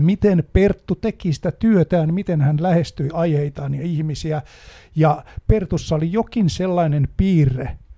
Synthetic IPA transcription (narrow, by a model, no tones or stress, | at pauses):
mit̪enpert̪ːut̪ekisi̥t̪æt̪yøt̪æːnmit̪enhænlæhest̪yiɑiheit̪ɑːnjɑihmisiæjɑpert̪usːɑolijokinselːɑinenpiːrːe